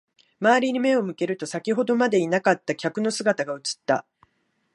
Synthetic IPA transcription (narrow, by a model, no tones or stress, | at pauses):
maːɾʲiɲ̟ime̞o̞mɯ̟ke̞ɾɯ̟t̪o̞sakʲiɦo̞d̪o̞mad̪e̞inakat̪ːakʲakɯ̟no̞sɨɡat̪aɡaɯ̟t͡sɨ̥t̪ːa̰